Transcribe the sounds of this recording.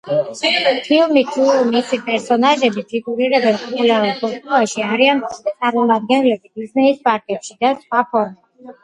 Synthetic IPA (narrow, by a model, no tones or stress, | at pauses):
pʰilˠmit̪ʰumisipʼɛɾsɔnaʒɛbit̪ʰɾikʼuɾiɾɛbɛnpʼɔpʼulaɾulˠpʰɔt̪ʼɔaʃiaɾiant̪sʼaɾmɔmad̪̚ɡɛnlɛbibiznɛispʼaɾkʼɛpʃid̪asχwapʰɔɾmɛ